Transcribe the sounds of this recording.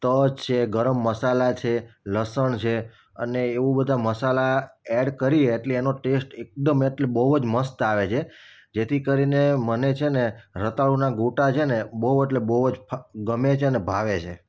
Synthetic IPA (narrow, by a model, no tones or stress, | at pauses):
t̪əd͡ʒt͡ʃʰeɡəɾəmːəsalat͡ʃʰeləsəɳt͡ʃʰe | ə̰neːʋũbəd̪ʱaməsalaɛɖkəɾieːʈleːnoʈesʈek̚d̪əmeʈlebəɦud͡ʒməst̪aʋet͡ʃʰe | d͡ʒet̪ʰikəɾinemənet͡ʃʰeneɾət̪aɭunaɡuʈat͡ʃʰenebəɦueʈlebəɦud͡ʒpʰɡəmet͡ʃʰeənebʱaʋet͡ʃʰe